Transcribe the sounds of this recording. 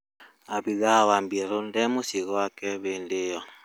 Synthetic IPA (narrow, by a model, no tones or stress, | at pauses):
abiɣawambiɾundɛmusiɣwakɛβendɪjɔ